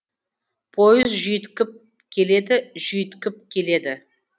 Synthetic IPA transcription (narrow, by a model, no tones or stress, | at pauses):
pʰojɪzʒʏjt̪kʲɪp̚ | kʲʰe̞le̞d̪ɪʒʏjt̪kʲɪp̚kʲʰe̞le̞d̪ɪ